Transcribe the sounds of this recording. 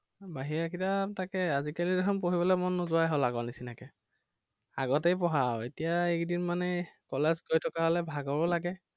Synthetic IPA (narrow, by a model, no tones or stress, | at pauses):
baɦiakitatakɛazikalidɛɦɔnpoɦibɔlɛmɔnːɔzʊajɦɔlaɡɔnisinakɛ | a̰ɡɔtejp̬ɔɦawetijaekdinmanɛkɔlɛzɡoɹjtʰɔkaɦɔlɛbʱaɡɔɹɔlaɡɛ